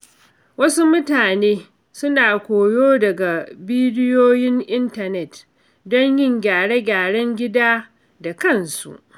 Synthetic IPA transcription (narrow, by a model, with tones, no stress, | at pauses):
wɐ˦su˦mʊ˦taː˨neː˦ | sʊ˦naː˨kʷoː˨joː˦dɐ˨ɡa˨biː˦dɪ˦joː˦jɪ˦ŋʔɪ˦ntɐ˨nɛ˨t | dɔ˦ɲjɪ˦ŋɡʲaː˨ɽe˦ɡʲaː˨ɽɐ˦ŋɡʲɪ˦daː˦ | da˨kɐ˦˨nsṵ˨ʔ